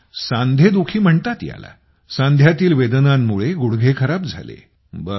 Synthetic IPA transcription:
sãnd̪ʱed̪ukʰiːm̤əɳt̪at̪ja̰la̰ | sãnd̪ʱjat̪iːlʋed̪namːuɭeɡuɽɡʱekʰəɾab̚d͡zʱa̰lḛ | bə

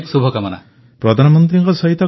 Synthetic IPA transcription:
ksubʱɔkamana̰ | pɾɔd̪ʱanɔmɔnt̪ɾiŋkɔsɔɦit̪ɔ

